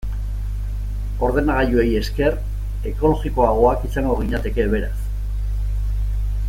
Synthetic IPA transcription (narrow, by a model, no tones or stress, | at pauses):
o̞ɾð̞e̞naɣ̞aʎue̞je̞ske̞r | e̞ko̞lo̞ɣiko̞aɣo̞akisaŋɡo̞ɣiɲat̪e̞ke̞βe̞ɾas